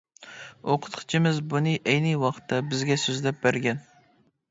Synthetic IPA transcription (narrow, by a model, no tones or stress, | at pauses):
oqʰə̥t̪qʰɨ̥t͡ʃʰimɪzbunɨʔejnɨwɑqt̪ʰːɑbɪzɡʲɛsøzlɛp̚bæɾɡʲɛn